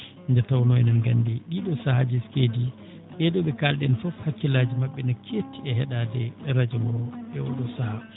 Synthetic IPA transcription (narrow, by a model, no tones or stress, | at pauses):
ndɛtawnɔjɛnanɡandɛɗiɗɔsahad͡ʒiskedi | ɓɛɗɔɓɛkalɗɛnfɔfhakːilad͡ʒimaɓːɛnakʰetːiɛɦɛɗadɛɾad͡ʒɛwɔɛɔ̰ɗɔsaha